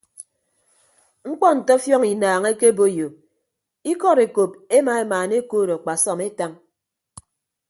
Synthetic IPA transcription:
ŋ̩˦k͡pɔ˦n̩˨tɔ˦fjɔ˦ŋi˨naː˨ŋe˦ke˦bo˦˨jo˨ | i˦kɔ˦ɾe˨ko˨p̚e˦ma˨e˦maː˨ne˦koː˦˨ɾɔ˨k͡pa˨sɔ˨me˦ta˦ŋ

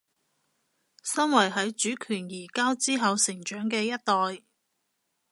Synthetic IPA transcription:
sɐ˥nwɐ˨˩jɦɐ˨˥jt͡ʃyː˨˥kʰyː˨˩njiː˨˩kaː˥wt͡siː˥ɦɐ˨˧wsɪ˨˩ŋt͡ʃœː˨˥ŋkɛː˧jɐ˥t̚t̪ɔː˨j

